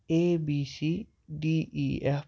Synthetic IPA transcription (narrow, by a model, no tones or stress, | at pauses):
ebisi | ɖiie